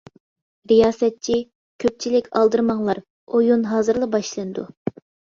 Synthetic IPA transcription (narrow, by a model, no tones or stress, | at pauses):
ɾijɑːsɛt̪̚t͡ʃʰi | kʲʰøp̚t͡ʃʰilɪkʲɑlˠd̪ɨɾmɑŋlˠɑɾ | ojunɦɑːzɨɾlˠɑbɑʃlˠɨnɨd̪u